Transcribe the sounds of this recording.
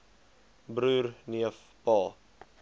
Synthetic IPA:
bɾuːrniəf | pɑː

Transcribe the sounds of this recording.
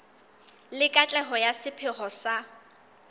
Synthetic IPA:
lɪkʼat͡ɬʼɛɦɔjasɪpʰɪχɔsa

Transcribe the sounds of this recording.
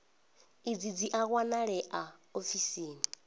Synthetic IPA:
id͡zid͡ziʔaɣwanaɺɛʔaofisiːni

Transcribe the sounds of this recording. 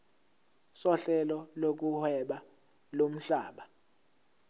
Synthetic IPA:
sɔɬɛlɔlok̬uhɛɓa | lom̩ɬaːɓa

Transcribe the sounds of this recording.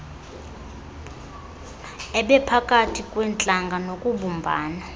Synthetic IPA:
ɛɓɛpʰakʼatʰikʼwɛnt͡ɬʼaŋɡʱanokʼuɓumbʱaːna

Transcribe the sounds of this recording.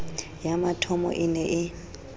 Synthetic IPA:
jamatʰɔmɔ̰ʔɪnɛʔɪ

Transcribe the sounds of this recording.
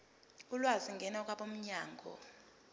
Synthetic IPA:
ulwaziŋɡʱɛnaɔk̬ʼwaɓom̩ɲaːŋɡʱɔ̰

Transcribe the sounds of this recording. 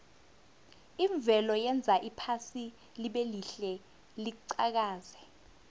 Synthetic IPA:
iɱb̪vʱɛlɔjɛnd͡zʱaʔipʰasi | liɓeliɬɛ | liǀak̬aːzɛ̥

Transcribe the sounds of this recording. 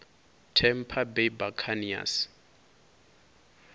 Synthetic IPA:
tʰɛm̩pʰabebakʰania̰s

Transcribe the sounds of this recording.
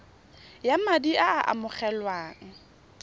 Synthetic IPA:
jamadiʔaaʔa̰mʊχɛlwaːŋ̩

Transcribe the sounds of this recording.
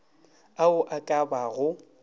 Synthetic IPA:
aʊʔakʼabaɣʊ

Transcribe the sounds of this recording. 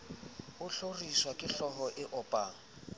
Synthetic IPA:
ʊɬoriswakʼɪɬɔɦɔʔɪʔɔpʼaːŋ̩

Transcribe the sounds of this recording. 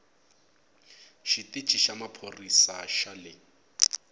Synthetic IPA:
ʃitʼit͡ʃʼiʃamapʰorisaʃalɪ

